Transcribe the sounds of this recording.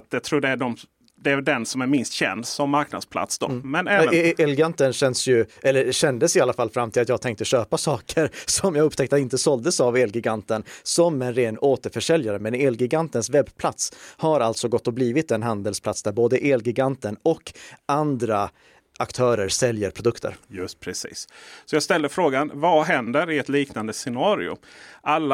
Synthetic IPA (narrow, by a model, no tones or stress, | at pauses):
t̪̚d̪ɛt̪ʰɾuːɖɛæɖɔm | d̪ɛæd̪ɛnsɔmæɾmɪnst̪ɕɛ̰nd̪sɔmːaɾknad̪spʰla̰t̪sd̪ɔ̰mɛnɛːɛlɡant̪ənɕɛnd̪əsjɵʔɛlːəɾɕɛnd̪əsɪalːafalfɾamːt̪ɪlat̪jɑːɡ̚t̪ʰɛŋk̚t̪əɕøːpasɑːkʰəɾsɔmjɑːɡɵpːt̪ʰɛk̚t̪aɪnt̪əsɔld̪əsaveːlɡɪɡant̪ənsɔmɛnɾeːnoːt̪əɾfœʂɛljaɾəmɛneːlɡɪɡant̪ənsvɛbpʰlat̪shaɾalt̪sɔɡɔt̪ːɔbliːvɪt̪ɛnɦand̪əlspʰlat̪sd̪æɾboːd̪əʔeːlɡɪɡant̪ənɔkːand̪ɾa | ʔakt̪ʰœːɾəɾsɛljəɾpʰɾʊd̪ɵkt̪ʰə̰ɾjɵpʰɾɛsḭːssɔjɑːɡst̪ɛld̪əfɾoːɡanvaɦɛnd̪əɾɪɛt̪liːknand̪əsɛnɑːɾɪ̰ʊ̰ʔalːa